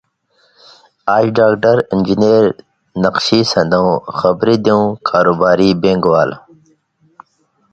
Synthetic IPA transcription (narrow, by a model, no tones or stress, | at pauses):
aːiɖaːkʈəɾind͡ʑineːɾ | nɐqʃisɐ̃nd̪õwxɐbɾid̪iũkʰaːɾobaːɾibẽːŋɡʋaːl